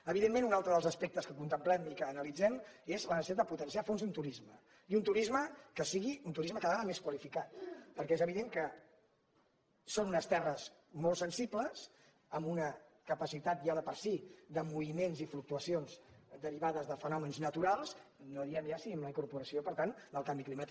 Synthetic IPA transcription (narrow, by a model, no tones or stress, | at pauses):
əβiðemenunalˠt̪ɾəðəlzəspɛk̚t̪əskəkunt̪əmplɛmikəːnəlid͡zɛmezlənsit̪ad̪d̪əput̪ənsiafonzðunt̪uɾizmə | iunt̪uɾizməkəsiɣiunt̪uɾizməkaðəaəmeskwəlifikat̪̚pəɾkɛezəβiðeŋkə | sonunəst̪ɛrəz | molˠsənsipləs | əmbunəkəpəsit̪at̪ʒaðəpəɾsid̪əmuβimenzifluk̚t̪uəsionzd̪əɾiβ̞aðəzðəfənɔmənznət̪uɾalˠznoðiɛmjasiimləiŋkuɾpuɾəsioipəɾt̪and̪əlˠkambiklimat̪ik